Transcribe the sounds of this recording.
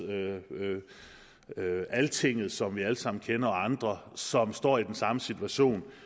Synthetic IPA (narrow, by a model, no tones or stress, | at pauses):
ø | ælt͡sʰe̝ŋ̰ð̞̩ˠsɒ̽mʋiæləsɑ̈m̰n̩kʰenɐɒ̽ɑ̈nd̥ʁɐsɒ̽msd̥ɒ̰ːid̥ensɑ̈məsit͡sʰuæɕo̝̰ːn